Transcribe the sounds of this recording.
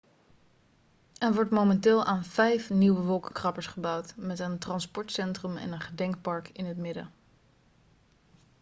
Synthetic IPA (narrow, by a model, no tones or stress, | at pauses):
ɛnʋɔɹtmomɛntɪːlˠʔaːnv̥ɛjfniwəʋɔlˠkəkrɑpəɹsχəbɑwtmɛtəntrɑnspɔɹtsɛntrəmɛ̰nənχədɛŋk̚pɑɹkɪnɦətmɪdə̰